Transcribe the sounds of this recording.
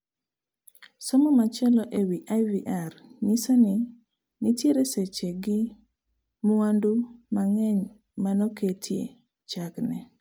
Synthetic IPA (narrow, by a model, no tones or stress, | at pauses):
sɔmɔmat͡ʃɛlɔʔewiʔajviʔarɲɪsanɪ | nɪtjeɾeset͡ʃeɡɪ | muwandumaŋɛɲ | manɔketʰjḛ | t͡ʃaknɛ